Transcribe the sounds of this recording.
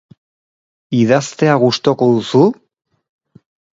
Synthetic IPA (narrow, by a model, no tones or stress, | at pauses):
iðast̪e̞aɣust̪o̞ko̞ðusu